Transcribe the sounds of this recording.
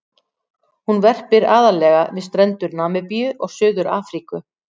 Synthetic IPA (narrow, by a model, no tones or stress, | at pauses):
hunvɛr̥pɪɾaːðalɛːɣavɪðst̪ɾɛnt̪ʏɾnaːmɪpijʏʔɔɣsʏːðʏɾaːfɾikʏ